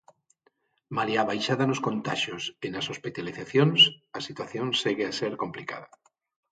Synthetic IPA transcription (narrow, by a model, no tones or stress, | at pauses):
maliaβajʃaðanoskont̪aʃjosenasospit̪aliθaθjonsasit̪waθjonseɣeaseɾkomplika̰ða